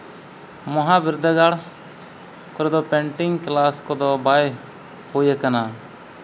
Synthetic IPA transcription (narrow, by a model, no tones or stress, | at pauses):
məɦãːbɪɾd̪ʱəɡaːɽ | koɾeːd̪oːpẽːɳʈɪŋɡklaːskoːd̪oːbaːe | hoːeːkənaː